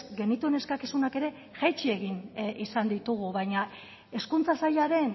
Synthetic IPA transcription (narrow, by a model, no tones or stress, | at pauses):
ɡe̞nit̪ue̞ne̞skakisunake̞ɾe̞ | ʝat͡ʃie̞ɣinʔisand̪it̪uɣ̞uβajɲa | e̞skunt͡sasaʎaɾe̞n